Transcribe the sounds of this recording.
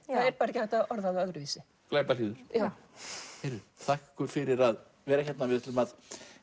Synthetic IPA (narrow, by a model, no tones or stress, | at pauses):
aðɛɾpaːɾacaɛht̪aɔɾðaðœɣɾʏviːsɪ | klaːpaliːðʏɾ̥jaːww | hɛɾʏt̪ʰahkkʏɾ̥fɪɾɪɾað | vɛːɾaçɛt̪navɪðɛt̪lɪmað